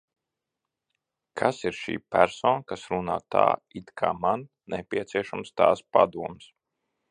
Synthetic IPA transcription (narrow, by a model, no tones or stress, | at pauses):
kʰasiɾʃḭːpæɾsɔːnkasɾunaːt̪a̰ːit̪kʰa̰ːman | nɛpʲiɛt̪siɛʃamst̪aːspa̰d̪uɔms